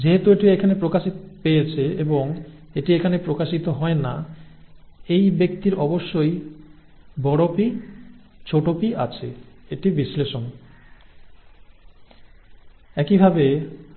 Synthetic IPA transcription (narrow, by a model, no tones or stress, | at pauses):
d͡ʑeɦet̪ueʈiekʰanepɾokaʃit̪opejet͡ɕʰeeboŋ | eʈiekʰanepɾokaʃit̪oɦɔena̰ | ejbek̚t̪iɾʔɔboʃːoj | bɔɽopi | t͡ɕʰoʈopiʔat͡ɕʰeeʈibisleʃon | ɛkibʱabe